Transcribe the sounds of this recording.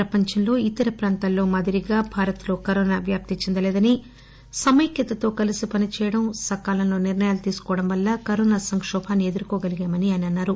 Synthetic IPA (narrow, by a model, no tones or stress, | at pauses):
ɾɐpɐɲt͡ʃɐnlo̞ːit̪ːɐɾɐpɾaːnt̪aːllːo̞ːmɐd̪iɾiɡaːbʱaːɾɐt̪lo̞ːkɐɾoːnaːbjaːp̚t̪it͡ʃind̪ɐlɛːd̪ɐni | sɐmɐjkjɐt̪ɐt̪o̞ːkɐlisipɐnit͡ʃɛːjɐɽɐmsɐkaːlɐmlo̞ːniɾnɐjaːlut̪iːsu̥kɔːʋɐɽɐmʋɐlːɐkɐɾɔːnaːsɐŋkʂɔːbʱaːnːied̪uɾukoːɡɐliɡaːmɐniɐniɐnːaːɾu